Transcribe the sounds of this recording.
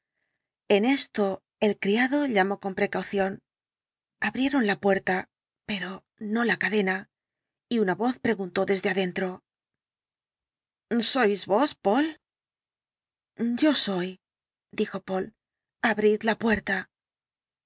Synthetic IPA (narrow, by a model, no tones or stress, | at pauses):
e̞ne̞st̪o̞ | e̞lkɾiaðo̞ʎamo̞ko̞mpɾe̞kawθjo̞n | aβɾje̞ɾo̞nlapwe̞ɾt̪a | pe̞ɾo̞ | no̞lakaðe̞na | iunaβo̞θpɾe̞ɣunt̪o̞ðe̞zðeaðe̞nt̪ɾo̞ | so̞jzβo̞spo̞l | o̞so̞j | d̪ixo̞po̞l | aβɾid̪lapwe̞ɾt̪a